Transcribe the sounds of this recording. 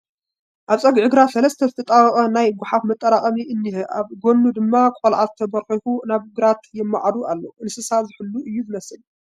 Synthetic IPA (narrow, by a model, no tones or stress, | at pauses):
ʔaβt͡sʼɐɡʕɨɡɾasɐlɐst̪ʰɐzɨt̪ʰɐt̪ʼawɐχʼɐnajɡʊħafmɨt̪ʼːɐɾaχʼɐmiʔɨnːɨhɨʔaβɡonːud̪ɨmːakʷʼolʕat̪ʰɐbɐɾxixunaβɨɡɾat̪jɪmːaʕad̪uʔalːoʔɨnsɨsazɨħɨlːuʔɨjːuzɨmɐsɨl